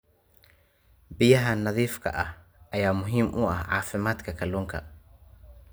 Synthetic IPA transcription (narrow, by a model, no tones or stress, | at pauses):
bɪjɐɦɐnɐðiːfkʰɐ̰ʔɐh | ʔɐjaːmʊɦiːmʔʊɐhʕɑ̰ːfɪmaːd̪kʰɐkʰɐluːŋkʰɐ̰